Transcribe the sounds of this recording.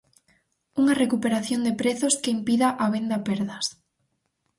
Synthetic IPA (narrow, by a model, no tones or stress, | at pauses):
uŋɐrekupeɾaθjond̪epɾeθoskeimpiðaʔaβ̞end̪apɛɾðɐs